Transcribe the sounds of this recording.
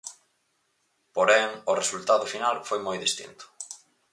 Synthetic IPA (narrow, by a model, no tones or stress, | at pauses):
poɾɛŋʊresult̪aðʊfinalfojmojðist̪ḭnt̪ʊ̥